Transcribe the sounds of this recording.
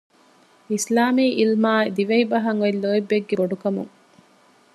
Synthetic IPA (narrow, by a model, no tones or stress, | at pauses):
islaːmiːʔilmaːd̪iʋɐibɐɦɐŋilːoːibːeɡːeboɖukɐmṵŋ